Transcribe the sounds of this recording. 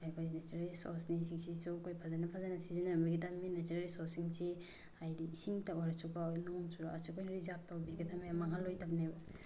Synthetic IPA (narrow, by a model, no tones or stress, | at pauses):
ajkʰojnet͡ʃɾalisɔ̰snis̬iŋsisukʰojpʰazanɐpʰazanɐsizinabiɡitʰaminet͡ʃiɾaɾisɔsiŋsi | ajdiːsiŋtawaɾasukanuŋt͡ʃʰuɾaasukʰojɾizap̚tʰawbiɡitʰamiamaŋɦalojtʰap̚neba